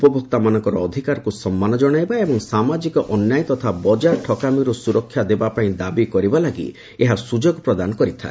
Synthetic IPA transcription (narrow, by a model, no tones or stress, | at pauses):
upɔbʱɔkt̪amanɔŋkɔɾɔːd̪ʱikaɾɔkusɔmːanɔd͡ʒɔɽ̃ajbaebɔŋsamad͡ʒikɔʔɔnjajt̪ɔt̪ʰabɔd͡ʒaɾʈʰɔkamiɾusuɾɔkʰːjad̪ebapaĩd̪abikɔɾibalaɡḭ | eɦasud͡ʒɔɡpɾɔd̪anɔkɔɾit̪ʰa̰e